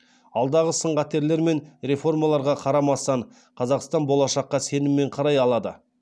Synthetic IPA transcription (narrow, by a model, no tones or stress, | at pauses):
ɑlˠd̪ɑʁəsəɴʁɑt̪ːe̞ɾle̞ɾme̞nɾe̞fo̞rmɑlˠɑɾʁɑqʰɑɾɑmɑst̪ɑɴ | qʰɑzɑqst̪ɑnbo̞lˠɑʃɑqːɑse̞nɪmːe̞ɴqʰɑɾɑjɑlˠɑd̪ə